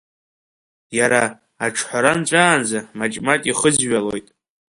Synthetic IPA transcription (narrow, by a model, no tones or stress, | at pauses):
jaɾaː | ʈ͡ʂʰħʷaɾant͡ʃʷʼaːnd͡zamat͡ʃʼmatʼiχəzɥalo̞̰jtʼ